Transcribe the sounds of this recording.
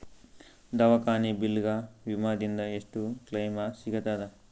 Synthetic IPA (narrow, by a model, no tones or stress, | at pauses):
d̪ɐʋɐkaːnibilɡaʋimad̪ind̪ɐeʂʈuklɐjmasiɡɐt̪ad̪ɐ